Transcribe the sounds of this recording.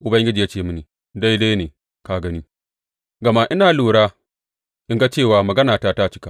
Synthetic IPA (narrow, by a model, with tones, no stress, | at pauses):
ʔʊ˨bɐ˦ŋɡʲɪ˦d͡ʒi˨ja˦t͡ʃeː˦˨mu˦ni˨ | da˦jda˦jneː˨ | ka˨ɡɐ˦ni˦ | ɡɐ˨ma˦ʔɪ˦naː˨luː˨ɽaː˦ | ʔɪ˦ŋɡa˦t͡ʃeː˦˨waː˨mɐ˨ɡɐ˦naː˨taː˦ta˦t͡ʃɪ˦ka˨